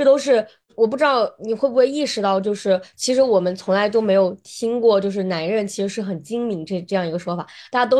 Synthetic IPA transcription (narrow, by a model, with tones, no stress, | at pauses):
ʈ͡ʂɤ˥˩t̪o˥ʊʂ̬ɻ̩˥˩ | wɔ˨˩p̬u˥˩ʈ͡ʂɻ̩˥ɑ˥˩ʊni˨˩xwe˥˧bu˥xwe˥˧ɪi˥˩ʂɻ̩˧˥t̪ɑ˥˧ʊt͡ɕjo˥˧ʊʂɻ̩˥˩t͡ɕʰi˧˥ʂ̬ɻ̩˧˥wɔ˨˩mə˦nt͡sʰʊ˧˥ŋla˧˥ɪt̪o˥ʊme˧˥ɪjo˨˩ʊt̪ʰi˥ŋkwɔ˥˧t͡ɕjo˥˧ʊʂ̬ɻ̩˥˩na˧˥nɻə˥˩nt͡ɕʰi˧˥ʂɻ̩˧˥ʂɻ̩˥˩xə˨˩nt͡ɕi˥ŋmi˧˥ŋʈ͡ʂʈ͡ʂɤ˥˧jɑ˥˩ŋi˧˥ɡə˧ʂwɔ˥fa̰˨˩˦t̪a˥˧t͡ɕja˥t̪o˥